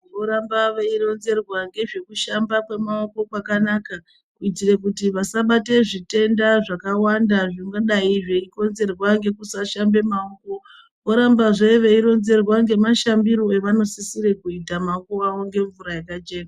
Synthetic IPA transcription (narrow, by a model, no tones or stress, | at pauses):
ʋo̞ɾambaʋeiro̞nze̞rwaŋɡe̞ʐe̞kuʃambakwe̞mao̞ko̞kwakanaka | kuitirek̬utiʋasaɓate̞ʐite̞ndaʐakawandaʐoŋɡaɗaiʐeiko̞nze̞rwaŋɡe̞kusaʃambe̞maoko̞ | oɾambaʐeiʋe̞iɾo̞nze̞rwaŋɡe̞maʃambiɾo̞e̞ʋano̞sisiɾe̞kuitamaoko̞aʋo̞ŋɡe̞ɱvuɾajakat͡ʃe̞ːna